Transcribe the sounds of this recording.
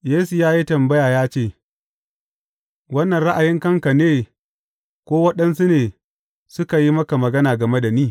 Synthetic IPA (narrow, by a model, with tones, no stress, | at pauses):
jeː˦su˨jaː˦ji˦tɐ˨mbɐ˦jaː˨jaː˦t͡ʃeː˦˨ | wɐ˦nːɐ˨nɽa˦ʔa˨jɪ˦ŋkɐ˦ŋka˨neː˦ | kʷoː˦wɐ˦ɗɐ˦nsu˦neː˨ | sʊ˦ka˨ji˦mɐ˦ka˨mɐ˨ɡɐ˦naː˨ɡɐ˨me˦da˨niː˦